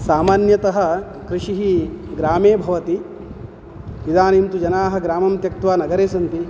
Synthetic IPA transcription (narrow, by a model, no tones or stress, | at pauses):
saːmaːnjɐt̪ɐɦɐ̆ | kɾɪʂiɦiɡɾaːmeːbʱɐʋɐt̪i | ʋid̪aːnimt̪ud͡ʒɐnaːɦɐ̆ɡɾaːmɐmt̪jɐk̚t̪ʋaːnɐɡɐɾeːsɐnt̪i